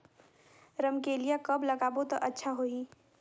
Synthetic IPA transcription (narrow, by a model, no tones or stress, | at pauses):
ɾəmkelijakɐblɐɡaːbot̪oʔɐtːʃʰaɦoːiː